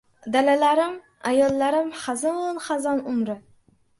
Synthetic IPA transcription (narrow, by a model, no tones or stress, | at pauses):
d̪alalaɾɪm | ajɒlˠːaɾɪmχɑzɒnχazɒnʊmɾɪ